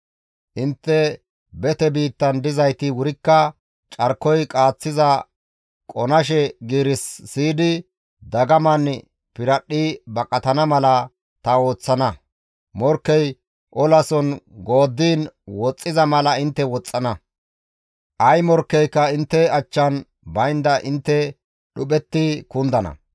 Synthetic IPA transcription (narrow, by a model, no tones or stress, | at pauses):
ʔɪnt̪ːɛ | bɛt̪ɛbiːt̪ːɐnd̪ɪzɐjt̪ɪwʊɾɪkːɐ | t͡ʃʼɐɾkːɔjkʼaːt͡sːɪzɐ | kʼɔnɐʃ̬ɛɡiːɾɪsːiːd̪ɪ | d̪ɐɡɐmɐn | pɪɾɐɗːɪbɐkʼɐt̪ɐnɐmɐlɐ | t̪ɐo̞ːt͡sːɐnɐ | mɔɾkːɛj | ʔɔlɐsɔnɡo̞ːd̪ːiːnwɔt͡sʼːɪzɐmɐlɐɪnt̪ːɛwɔt͡sʼːɐnɐ | ʔɐjmɔɾkːɛjkːɐɪnt̪ːɛɐt͡ʃːɐn | bɐjnd̪ɐʔɪnt̪ːɛ | ɗʊpɛt̪ːɪkʊnd̪ɐnɐ̰